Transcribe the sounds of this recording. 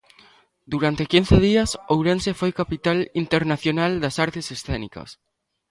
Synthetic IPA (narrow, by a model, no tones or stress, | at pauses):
d̪uɾant̪ekin̟θeð̞iasowɾensefojkapit̪alint̪eɾnaθjonald̪asaɾt̪esesθɛnikɐ̰s